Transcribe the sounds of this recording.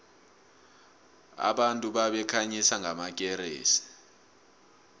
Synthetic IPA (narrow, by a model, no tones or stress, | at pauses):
a̰ɓantʼuɓaɓɛkʰaɲisaŋɡʱamak̬ʼɛɾḛːsi̥